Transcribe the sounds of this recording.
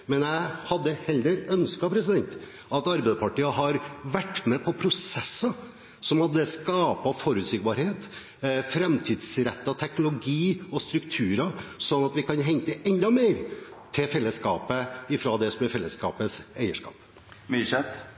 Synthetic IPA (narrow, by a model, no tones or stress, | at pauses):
mɛnjæɪhɑd̪ːəhɛlːəɾœnskɑpʰɾɛsɪd̪ɛnt̪ | ɑt̪ɑɾbæɪd̪əpʰɑʈiːəɦɑɾʋæʈːmɛpʰɔpʰɾʊsɛsːə | sɔmɑd̪ɛskɑːpɑfɔɾʉːt̪sɪːɡ̚bɑɾheːt̪ | fɾɛmt̪ʰiːd̪sɾɛt̪ːɑt̪ʰɛknʊlʊɡiːɔst̪ɾʉkt̪ʰʉːɾɑsɔnːɑt̪ʋɪkʰɑnɦɛŋt̪əʔɛnd̪ɑmeːɾt̪ʰɪlfɛlːəskɑːpəɪfɾod̪ɛsɔmɛɾfɛlːəskɑ̰ːpəsæɪəʂkɑ̰ːp | myːʃɛt̪